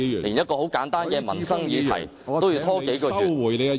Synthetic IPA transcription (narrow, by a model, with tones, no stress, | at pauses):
liː˨˩njɐ˥t̚kɔː˧ho˨˥wkaː˨˥nt̪aː˥nkɛː˧mɐ̰˨˩nsɐ˥ŋjiː˨˧t̪ʰɐ̰˨˩j | t̪o˥wji˧wt̪ʰɔː˥ke˨˥jkɔː˧˨˧jle˨˧